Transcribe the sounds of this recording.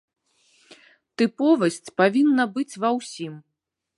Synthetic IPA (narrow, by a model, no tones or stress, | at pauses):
t̪ɨpɔvɐsʲt͡sʲpavʲinːɐbɨt͡sʲvɐwsʲim